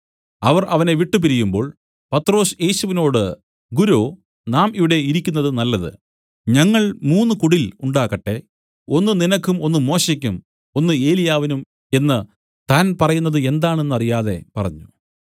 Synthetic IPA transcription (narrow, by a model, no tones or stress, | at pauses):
ɐʋɐrʔɐʋɐne̞ʋiʈːɨp̬iɾijumbo̞ːɭ | pɐt̪ːro̞ːsje̞ːɕuʋino̞ːɽɨ | ɡuɾo̞ː | naːmiʋiɽe̞iɾikʲːunːɐðɨnɐlːɐðɨ̰ | ɲɐŋːɐɭmuːnːukuɽiluɳɖaːɣɐʈːe̞ | o̞nːɨninɐkːumo̞nːɨmo̞ːɕɐk̬ʲːum | o̞nːɨe̞ːlijaːʋinum | e̞nːɨ | t̪aːnpɐrɐjunːɐðɨe̞nd̪aːɳe̞nːɐrijaːðe̞̰pɐrɐɲːu